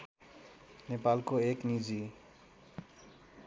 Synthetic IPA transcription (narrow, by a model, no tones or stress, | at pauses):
nepalkoeknid͡zi